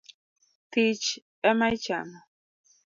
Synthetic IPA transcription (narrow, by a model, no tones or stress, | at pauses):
t̪it͡ʃ | amajt͡ʃa̰ma